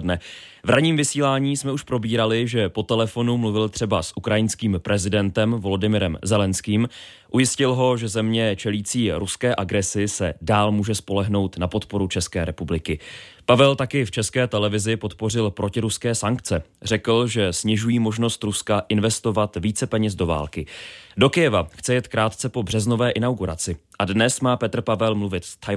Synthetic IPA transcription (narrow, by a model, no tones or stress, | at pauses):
dnɛvɾaɲiːmvɪsiːlaːɲiːsmɛuʃpɾo̞biːɾalɪʒɛpo̞t̪ɛlɛfo̞numluvɪlt̪r̝̥ɛbasʔukɾajɪnskiːmpɾʔɛzɪdɛnt̪ɛmvo̞lo̞dɪmɪɾɛmzɛlɛnskiːm | ʔujɪscɪlɦo̞ʒɛzɛmɲɛt͡ʃɛliːt͡siːɾuskɛːʔaɡɾɛsɪsɛ̰daːlmuːʒɛspo̞lɛɦno̞wt̪napo̞t̪po̞ɾut͡ʃɛskɛːɾɛpublɪkɪpavɛlt̪akɪft͡ʃɛskɛːt̪ɛlɛvɪzɪpo̞t̪po̞r̝ɪlpɾʔo̞cɪɾuskɛːsaŋkt͡sɛrɛkl̩ʒɛsɲɪʒujiːmo̞ʒno̞st̪ɾuskaʔɪnvɛst̪o̞vat̪viːt͡sɛpɛɲɛzdo̞va̰ːlkɪdo̞kɪjɛvaxt͡sɛjɛt̪kɾaːt̪t͡sɛpo̞br̝ɛzno̞vɛːʔɪnawɡuɾa̰t͡sɪʔadnɛsmaːpɛt̪r̩pavɛlmluvɪt̪st̪ʰ